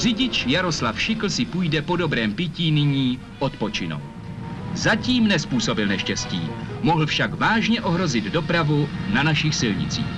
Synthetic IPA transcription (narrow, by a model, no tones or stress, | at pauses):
r̥ɪɟɪt͡ʃjaɾo̞slafʃɪkl̩sɪpuːjdɛpo̞do̞bɾɛːmpɪciːnɪɲiː | ʔo̞t̪po̞t͡ʃɪno̰ | zaciːmnɛspuːso̞bɪlnɛʃcɛscḭːmoɦl̩fʃakvaːʒɲɛʔo̞ɦɾo̞zɪd̪do̞pɾavunanaʃɪxsɪlɲɪ̰t͡sḭːx